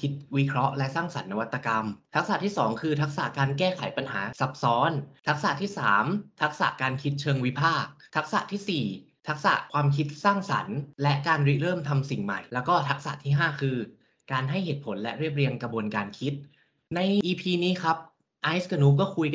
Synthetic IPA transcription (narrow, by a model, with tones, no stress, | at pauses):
kʰi˦˥t̪̚wi˦˥kʰɾɔ˦˥ʔlɛ˦˥saː˥˩ŋsa˩˦nːa˧wa˦˥t̪ːa˧ka˧mt̪ʰa˦˥k̚sa˨˩t̪ʰiː˥˩sɔː˩˦ŋkʰɯː˧t̪ʰa˦˥k̚sa̰˨˩ʔkaː˧nkɛː˥˩kʰa˩˦jpa˧nɦa̰ː˩˦sa˨˩p̚sɔː˦˥nt̪ʰa˦˥k̚sa̰˨˩t̪ʰiː˥˩saː˩˦mt̪ʰa˦˥k̚sa̰˨˩ʔkaː˧nkʰi˦˥t̪̚t͡ɕʰɤː˧ŋwi˦˥pʰaː˥˩k̚t̪ʰa˦˥k̚sa̰˨˩ʔt̪ʰiː˥˩siː˨˩ | t̪ʰa˦˥k̚sa̰˨˩ʔkʰwaː˧mkʰi˦˥t̪̚saː˥˩ŋsa̰˩˦nlɛ˦˥ʔkaː˧nɾi˦˥ɾɤː˥˩mt̪ʰa˧msi˨˩ŋma̰˨˩jlɛː˦˥wkɔː˥˩t̪ʰa˦˥k̚sa̰˨˩t̪ʰiː˥˩ɦaː˥˩kʰɯː˧ | kaː˧nɦa˥˩jheː˨˩t̪pʰo˩˦nlɛ˦˥ʔɾi˥˩əp̚ɾi˧əŋkɾa˧bu˧ənkaː˧nkʰi˦˥t̪̚ | na˧jʔiː˧pʰiː˧niː˦˥kʰa˦˥p̚ | ʔa˦˥jska˧nuː˦˥k̬ɔː˥˩kʰu˧j